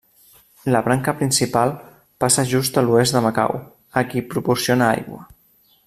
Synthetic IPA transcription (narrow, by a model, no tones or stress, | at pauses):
ləβɾaŋkəpɾinsipalˠ | pasəʒust̪əluezd̪əməka̰w | əkipɾupuɾsionaa̰jɣwə̰